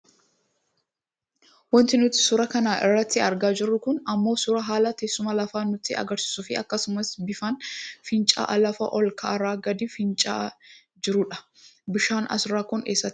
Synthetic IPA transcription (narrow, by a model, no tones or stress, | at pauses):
wɔnt̪ɪnʊt̪ːɪ̥sʊɾɐkɐnaːʔɪrːɐt̪ːɪɐɾɡaːd͡ʒɪrːʊkʊnɐmːo̞ːsʊɾɐɦaːlɐt̪eːsːʊmɐlɐfaːnʊt̪ːɪɐ̰ɡɐɾsɪ̥sʊfɪɐ̰kːɐsʊmɐsbɪfɐnfɪnt͡ʃʼa̰ːʔɐlɐfɐ̰ʔɔlkɐɐɾaːɡɐd̪ɪfɪnt͡ʃʼa̰ː | d͡ʒɪɾʊᶑɐ̥ | bɪʃaːnɐ̰sɪɾaːkʊnḛːsːɐt̪ː